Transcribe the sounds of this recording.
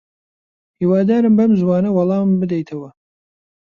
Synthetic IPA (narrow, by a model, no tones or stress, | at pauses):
hiːwɑːd̪aːɾɨmbɐmzwɑːnɐwɑlˠɑːmbɨd̪ɛjt̪ʰɐwɐ